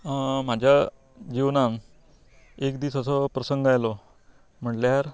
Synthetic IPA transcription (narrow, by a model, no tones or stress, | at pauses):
m̤ad͡ʑʱja | d͡ʑiʋnan | ekd̪iːsəs̬ɔpɾəsəŋɡajlɔ | m̤əɳʈljaɾ